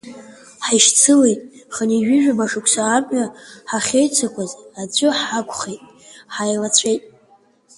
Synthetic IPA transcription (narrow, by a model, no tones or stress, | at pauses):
ħajʃt͡sʰɨlejtʼχaniʒɪʒᶣabaʂɨkʷʰsaːmɥaħaχʲejt͡sʰakʷʰazad͡zʷʼʊħakʷʰʼχejtʼ | ħajlat͡sʷʰejtʼ